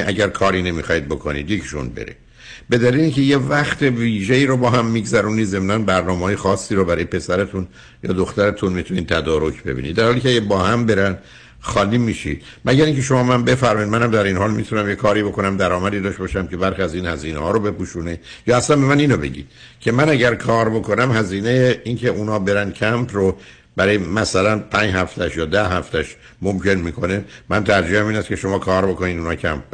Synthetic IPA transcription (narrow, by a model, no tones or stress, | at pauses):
ʔæɟæɾkʰɒːɾiːne̞mixɒːid̪̚bo̞kʰonḭd̪jecʰi̥ʃṵnbḛɾḭ | be̞d̪æliːleiŋcʰe̞jevæχt̪ʰeviːʒeiːɾobɒːɦæmːiːɡzæɾuːniːd̪ze̞mnænbæɾnɒːmeɦɒːjexɒːsːiːɾobæɾɒːjepʰe̞sæɾet̪ʰun | jɒ̰ːd̪oxt̪æɾet̪ʰunmit̪ʰuniːd̪̚t̪ʰæd̪ɒːɾo̞cʰb̥e̞̰bḭnḭd̪d̪æɾhɒːliːcʰeæɡæbɒːhæmbe̞ɾæn | xɒːliːmiːʃḭd̪̥ | mæɟæɾiŋcʰe̞ʃo̞mɒːmænbe̞fæɾmɒid̪mænhæmd̪æɾinhɒːlmit̪ʰunæmjekʰɒːɾiːbo̞ko̞næmd̪æɾɒːmæd̪iːd̪ɒːʃt̪ebːʃæmce̞bæɾxiæziːnhæziːnḛhɒːɾobe̞puːʃuːne | jɒːæslæmbe̞mæniːnobe̞̰ɟḭːd̪̥ | cʰe̞mænæɟæɾkʰɒːɾbo̞kʰo̞næmɦæziːne̞jeiːncʰe̞ʔunɒːbe̞ɾænd̪̥cʰæmpʰro | bæɾɒːjemæsælænpʰæɲd͡ʒhæft̪ʰæʃjɒːd̪æɦæft̪ʰæʃ | momcʰe̞nmiːkʰo̞nemænt̪ʰæɾd͡ʒiːhæmiːnæst̪kcʰe̞ʃo̞mɒːkʰɒːɾbo̞ko̞niːd̪unɒːcʰæ̰mp̚